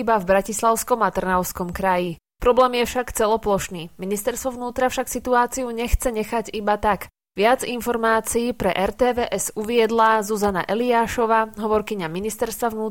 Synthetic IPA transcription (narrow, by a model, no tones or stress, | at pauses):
ibavbɾacislaʊskɔmat̪r̩naʊskɔmkɾaji | pɾɔblɛːmjɛfʃakt͡sɛlɔplɔʃniːminist̪ɛɾst̪ʋɔʋnuːt̪ɾafʃaksit̪uaːt͡siuɲɛxt͡sɛɲɛxaɟibat̪ak | ʋɪad͡zinfɔɾmaːt͡siːpɾɛʔɛɾt̪ɛːʋɛːʔɛzuʋɪɛd̪lazuzanaʔɛliaːʃɔʋaːɦɔʋɔɾkiɲaminist̪ɛɾst̪ʋaʋnuː